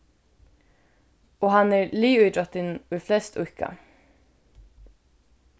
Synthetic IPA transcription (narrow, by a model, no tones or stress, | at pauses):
oːhɑnæːɹliːʉʏd̪ɔt̪ɪnʉːflɛst̪ʰʉkɑ̰